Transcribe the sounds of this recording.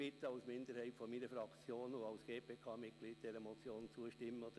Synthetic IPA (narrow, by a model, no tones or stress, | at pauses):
ɪt̪ːəɑʊsmɪnd̪əɾhɛɪtfɔmiːnəfɾɑkt͡sjoːnʊɑlsɡ̥eːpʰeːkʰɑːmɪt̚ɡ̥liːt̚d̥ɛɾəmɔt͡sjoːnt͡suəʃtɪmːəɔd̥̪ə